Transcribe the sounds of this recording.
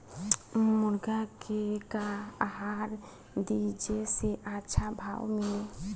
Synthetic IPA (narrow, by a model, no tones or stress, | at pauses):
mʊɾɡakekaaɦaɾ | d̪id͡ʒeseʔatːʃʰabʱawmɪle